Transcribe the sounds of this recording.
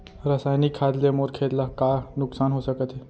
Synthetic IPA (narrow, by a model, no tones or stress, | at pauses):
ɾəsajnikʰːad̪lemoɾkʰet̪lakanuksanɦosəkət̪e